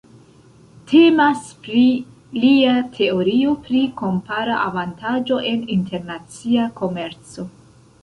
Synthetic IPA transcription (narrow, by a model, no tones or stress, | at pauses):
tʰe̞maspɾi | liatʰe̞oɾio̞pɾiko̞mpaɾaʔavantad͡ʒo̞ʔe̞nintʰe̞ɾnat͡siako̞me̞ɾt͡so̞